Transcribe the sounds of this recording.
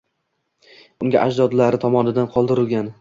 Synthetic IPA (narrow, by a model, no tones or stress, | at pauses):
ʊŋɡʲa̰ʔad͡ʒd̪ɒd̪laɾɪt̪ʰɒmɒnɪd̪anqʰɒlˠd̪ɪɾɪlˠɡʲan